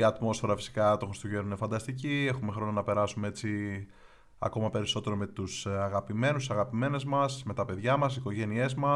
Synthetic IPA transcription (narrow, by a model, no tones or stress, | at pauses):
iɐt̪mo̞sfe̞ɾɐfi̥si̥kɐt̪oxɾist̪oʝeɾoinefɐnd̪ɐst̪icie̞xume̞xɾo̞nonɐpe̞ɾɐsumee̞t͡si | ɐ̰ko̞mɐpe̞ɾiso̞t̪e̞ɾo̞me̞t̪usɐɣɐpime̞nussɐɣɐpime̞ne̞zmɐsme̞t̪ɐpe̞ðʝɐmɐsiko̞ʝe̞nie̞zmɐ